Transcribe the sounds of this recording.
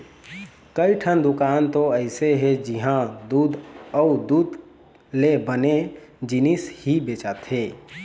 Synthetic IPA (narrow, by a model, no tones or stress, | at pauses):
kəiʈʰənd̪ʊkaːnt̪oəɪseɦed͡ʒiɦãd̪ud̪ɔʊd̪uːd̪ | lebəned͡ʒɪnishibeːt͡ʃat̪ɦeː